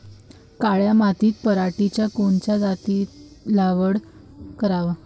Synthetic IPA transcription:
kaɭjamat̪iːt̪̚pəɾaʈit͡ɕjakoɳt͡ɕad͡zat̪iːt̪ | laʋəɽ | kəɾaʋa

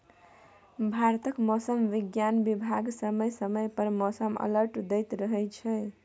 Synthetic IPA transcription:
bʱaɾt̪əkmɔsəmʋiɡjanbibʱaɡsəməjsəməjpəɾmɔsəmə̰ləɾʈd̪ɛjt̪ɾəɦɛt͡ʃʰɛ

